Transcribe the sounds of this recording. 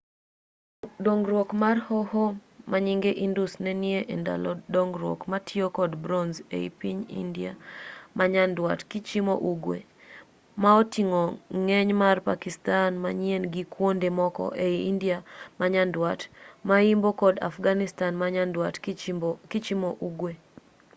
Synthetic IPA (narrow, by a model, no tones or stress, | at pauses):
doŋɡɾwokmarhɔhomaɲiŋɡeʔindusnɛnjeʔɛnda̰lɔdoŋɡɾwo̰kmatʰiokɔdbɾɔnzḛḭpiɲḭndiamaɲandwatkit͡ʃimoʔuɡwḛ | maotiŋoŋɛɲmarpakistanmaɲjenɡikwondemɔkɔ̰ʔeiindjamaɲandwatmaimbokɔda̰fɡanɪstanmawatkɪt͡ʃimoʔuɡwe